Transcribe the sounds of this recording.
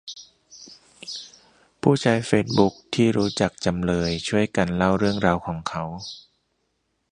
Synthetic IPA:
pʰuː˥˩t͡ɕʰaː˦˥jfeː˦˥t̪̚bu˦˥k̚t̪ʰiː˥˩ɾuː˦˥t͡ɕa˨˩k̚t͡ɕa˧mlɤː˧jt͡ɕʰu˥˩əjka˧nla˥˩wɾɯ˥˩əŋɾaː˧wkʰɔː˩˦ŋkʰa˦˥w

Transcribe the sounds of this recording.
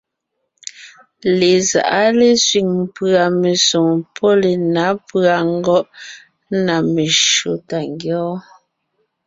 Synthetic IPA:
le˨za̰˨ʔa˦le˦sɥi˨ŋm˨pɰa˨me˨so˨ŋpʰɔ˦le˨na˨˦pɰa˨ŋ̩˦ɡɔ˦ʔ | na˨me˨ʃo˨ta˨ŋɡjɔː˦

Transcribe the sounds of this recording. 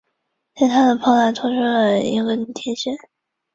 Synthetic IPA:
t̪ɛ˥˩ɪt̪ʰa˥d̪ə˨pʰɑ˥la˧˩t̪ʰʊ˥ʂ̩˥˧˨ḭ˧˥ɡə˧˥n˥t̪ʰjɛ˧˥nɕɛ˥n

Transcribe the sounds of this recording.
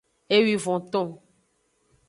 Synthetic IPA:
e˦wi˨vɔ̃˨t̪ɔ̃˦

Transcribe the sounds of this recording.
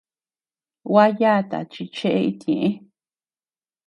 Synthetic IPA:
wa˦jaː˦˧t̪a̰˨t͡ʃi˧t͡ʃe˦ʔe˦i˦t̪jẽ˨ʔẽ˦

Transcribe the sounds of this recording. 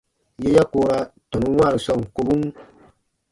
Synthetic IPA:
je˦ja˦koː˦ɾa˦tɔ˨nũ˦wa˦˨ɾi˨sɔ˦˨ŋ˨ko˦bu˦n

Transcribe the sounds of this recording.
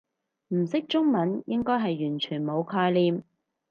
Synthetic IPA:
m̩˨˩sɪ˥k̚t͡ʃʊ˥ŋmɐ˨˥njɪ˥ŋkɔː˥jɦɐ˨jːyː˨˩nt͡ʃʰyː˨˩nmo˨˧wkʰɔː˧jliː˨˧m

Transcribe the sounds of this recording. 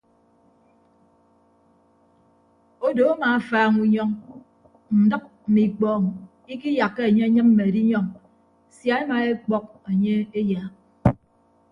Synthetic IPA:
o˦do˨a˦maː˨a˦˨faː˨ŋu˨ɲɔ˦ŋ | n̩˨dɨ˦k̚m̩˨mi˨k͡pɔː˨ŋ˨ | i˦ki˦ja˨kːe˦e˨ɲe˦ɲɨ˦mm̩˦me˨e˨di˦ɲɔ˦ŋ | sja˨˦e˦ma˨e˦k͡pɔ˦k̚e˨ɲe˦e˦ja˨

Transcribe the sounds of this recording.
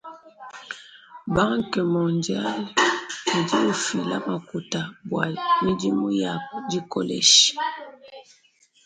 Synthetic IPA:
ba˦ŋkə˨mɔ̃˨ndja˦lni˨di˦u˨fi˨la̰˦ma˨ku˨ta˨bwa˨mi˦di˦mu˦ja˨di˦ko˦˨lɛ̰˨ʃ

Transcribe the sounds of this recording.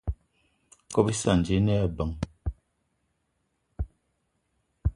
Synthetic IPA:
kɔ˦pi˦sa˦˨n̩˨d͡ʒe˦nɛ˦a˨bə˨˦ŋ

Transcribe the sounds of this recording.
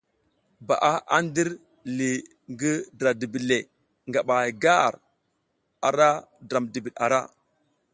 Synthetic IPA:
ba̰˨ʔa˦a˦n˦di˦ɾ | li˨ | ŋɡi˦dɾa˨di˨bi˨le˨ | ŋɡa˨ɓa˨ɡa˦˨ɾ | a˨ɾa˦dɾa˨mdi˨bi˨ɗa̰˨ɾa˦

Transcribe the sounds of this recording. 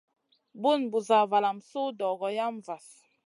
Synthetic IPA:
bu˦˨nbu˨za˨va˨la˨msu˦dɔ˨ɡɔ˨ja˦mva˨s

